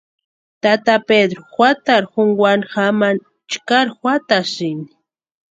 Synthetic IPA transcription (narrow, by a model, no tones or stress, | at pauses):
t̪at̪aped̪ɾoxwʷat̪aɾxʊŋɡwanxaman | t͡ʃkaɾxwat̪asɪnɪ